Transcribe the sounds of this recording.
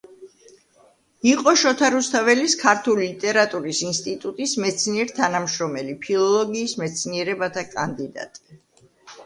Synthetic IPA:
iqʼɔʃɔt̪ʰaɾust̪ʰavɛliskʰaɾt̪ʰulilit̪ʼɛɾat̪ʼuɾisinst̪ʼit̪ʼut̪ʼismɛt̪sʰniɛɾt̪ʰanamʃɾɔmɛlipʰilˠɔlˠɔɡiːsmɛt̪sʰniɛɾɛbat̪ʰakʼand̪id̪a̰t̪ʼi̥

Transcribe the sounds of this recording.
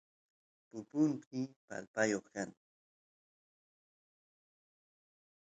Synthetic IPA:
pʊpʊntɪpa̰lpajoχkaŋ

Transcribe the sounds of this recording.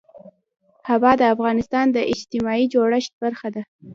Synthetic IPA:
hawɑd̪əafɣɑnɪst̪ɑnd̪əʔɪd͡ʒt̪ɪmɑid͡ʒoɽəʃt̪̚baɾxad̪a

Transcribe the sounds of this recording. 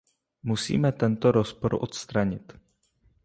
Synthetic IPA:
musḭːmɛt̪ɛnt̪oɾospoɾʔo̰t̪st̪ɾaɲɪt̪

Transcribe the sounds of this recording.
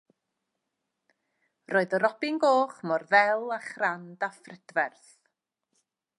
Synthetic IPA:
roːɨðɔɾɔbɪnɡoːχmɔrvɛlˠaχrandafrədvɛrθ

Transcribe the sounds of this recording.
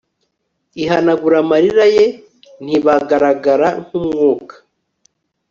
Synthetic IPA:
iɦanaɡuɾamaɾiɾaje | n̥iβaɡaɾaɡaɾaŋ̥umŋŋuːkḁ

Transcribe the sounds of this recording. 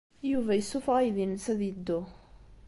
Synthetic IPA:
juvæjəsufʁajðinsæðəd̪ːo

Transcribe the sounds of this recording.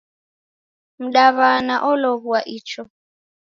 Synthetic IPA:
m̩ɗaβanaʔɔlɔβuaʔit͡ʃʰɔ

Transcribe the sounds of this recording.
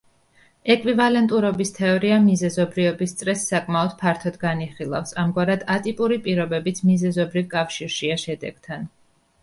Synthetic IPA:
ɛkʼvivalɛnt̪ʼuɾɔbist̪ʰɛɔɾiamizɛzɔbɾivɛbist̪sʼɾɛsːakʼmaɔd̪̥pʰaɾt̪ʰɔd̪ɡaniχilˠa̰fsamɡwaɾad̪̥at̪ʼipʼuɾipʼiɾɔbɛbit̪ʰmizɛzɔbɾivkʼafʃiɾʃiaʃɛd̪ɛ̰ɡ̥t̪ʰan

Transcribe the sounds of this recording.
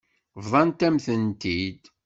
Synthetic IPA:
vðˤɑnt̪æmθənt̪id̪

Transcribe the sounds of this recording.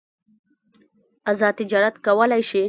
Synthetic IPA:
azɑd̪̚t̪ɪd͡ʒɑɾat̪kawəlajʃi

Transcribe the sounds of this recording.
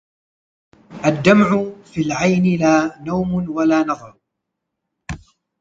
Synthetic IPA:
ʔad̪ːamʕʊfilʕajnɪlaːnawmnwalaːnɑðˤɑɾˤ

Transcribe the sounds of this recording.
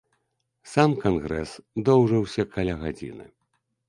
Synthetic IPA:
samkanɣɾɛsd̪ɔwʐɨwsʲɐkalʲaɣad͡zʲḭnɨ̰

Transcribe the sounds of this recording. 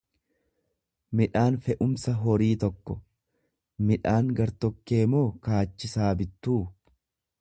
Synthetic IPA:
mɪᶑaːnfɛʔʊmsɐɦɔɾiːt̪ɔkːɔ | mɪᶑaːŋɡɐɾt̪ɔkːe̞ːmo̞ːkaːt͡ʃːɪsaːbɪt̪ːuː

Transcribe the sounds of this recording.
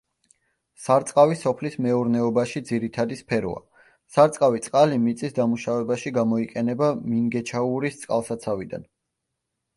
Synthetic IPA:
saɾt̪sʼqʼavisɔpʰlismɛuɾnɛɔbaʃid̪ziɾit̪ʰad̪ispʰɛɾɔ̰a̰ | saɾt̪sʼqʼavit̪sʼqʼalimit̪sʼisd̪amuʃavɛbaʃiɡamɔiqʼɛnɛbamiŋɡɛt͡ʃʰauɾist̪sʼqʼalˠsat̪sʰavid̪a̰n

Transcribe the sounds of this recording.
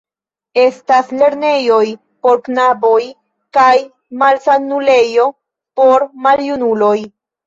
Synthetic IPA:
e̞stasle̞ɾne̞jo̞j | po̞ɾknabo̞j | kaj | malsanule̞jo̞ | po̞ɾmaljunulo̞j

